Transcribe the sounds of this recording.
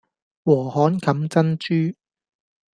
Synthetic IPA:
wɔː˨˩hɔː˨˥nkɐ˨˥mt͡sɐ˥nt͡ʃyː˥

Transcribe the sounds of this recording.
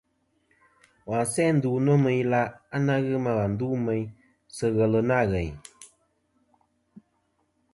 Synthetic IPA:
wa˨sɛ˦n̩˦duː˨nɔ˦mə˧jla˧a˦na˦ɣɨ˦ma˧ɣa˨n̩˨du˦mɛ˧j | sɨ˧ɣə˨lɨ˨na˦˨ɣɛ˨ɲ˨

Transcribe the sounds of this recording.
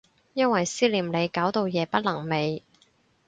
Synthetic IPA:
jɐ˥nwɐ˨jsiː˥liː˨˩mle˨˧jkaː˨˥wt̪o˨˧wjɛː˨˧pɐ˥t̚lɐ˨˩ŋme˨˧j

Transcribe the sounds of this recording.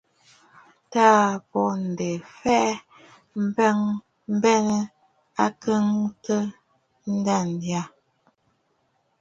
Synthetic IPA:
taː˦˨pɔ˨n̩˨de˨fɛ˦ʔ | mbŋ | m̩˦bɛ˦nə˦ | a˦kə˦ŋtə˦ | n̩˦da˦˨ndja˦˨

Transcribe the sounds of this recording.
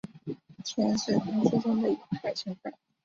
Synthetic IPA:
t͡ɕʰjɛ˧˥nʂɻ̩˥˩kʊ˥ŋʂu˥ʈ͡ʂʊ˥ŋd̪ə˨i˨˧˩kpa˨˩ɪɕi˥ŋfa̰˥˩˦

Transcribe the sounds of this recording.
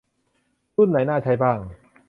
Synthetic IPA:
t̪u˥˩nːa˩˦jnaː˥˩t͡ɕʰa˧˥jbaː˥˩ŋ

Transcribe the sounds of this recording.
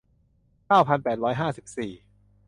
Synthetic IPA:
kaː˥˩wpʰa˧npɛː˨˩t̪̚ɾɔː˦˥jɦaː˥˩si˨˩p̚siː˨˩

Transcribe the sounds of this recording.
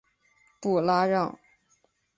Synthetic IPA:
pu˨˩la˥ɻɑ˥˩ŋ

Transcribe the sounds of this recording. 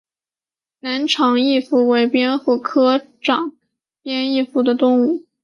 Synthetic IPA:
na˧˥nʈ͡ʂʰɑ˧˥ŋi˥˧fu˥˩we˧˥ɪpjɛ˥nxu˥˩kʰɤ˥ | ʈ͡ʂɑ˨˩˦ŋ | pjɛ˥ni˥˧fu˥˩d̪ə˩t̪ʊ˥˧ŋu˥˩

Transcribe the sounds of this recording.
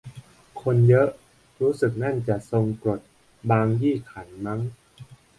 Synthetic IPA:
kʰo˧njɤ˦˥ʔ | ɾuː˦˥sɯ˨˩k̚na˥˩nt͡ɕa˨˩ʔso˧ŋkɾo˨˩t̪̚ | baː˧ŋjiː˥˩kʰa˩˦nma˦˥ŋ

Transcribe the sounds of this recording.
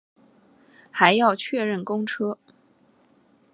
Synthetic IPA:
xa˧˥ɪjɑ˥˧ʊt͡ɕʰɥɛ˥˧ɻə˥˩nkʊ˥ŋʈ͡ʂʰɤ˥

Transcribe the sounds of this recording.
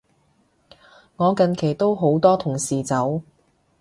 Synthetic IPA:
ŋɔː˨˧kɐ˨˧nkʰe˨˩jt̪o˥wɦo˨˥wt̪ɔː˥t̪ʰʊ˨˩ŋsiː˨t͡sɐ˨˥w

